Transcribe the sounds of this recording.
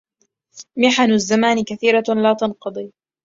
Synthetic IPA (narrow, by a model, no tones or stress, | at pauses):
mɪħanʊzːamaːnɪkaθiːɾalaːt̪ɑnqɑd̪ˤiː